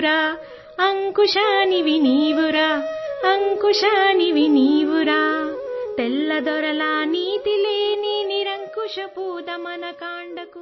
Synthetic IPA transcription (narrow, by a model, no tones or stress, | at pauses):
ɾaː | ɐŋkuʂaniʋiniːʋuɾaːɐŋkuʂaniʋiniːʋuɾaːt̪elːɐd̪ɔɾɐlaːniːt̪ileːniniɾɐŋkuʂɐpuːd̪ɐmɐnɐkaːɳɖɐku